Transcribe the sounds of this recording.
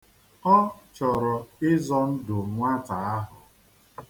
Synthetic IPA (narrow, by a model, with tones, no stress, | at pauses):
ɔ˦t͡ʃɔ˨ɾɔ˨ɪ˦zɔ˦n̩˦dʊ˨ŋʷa˦ta˨a˦ɦʊ˨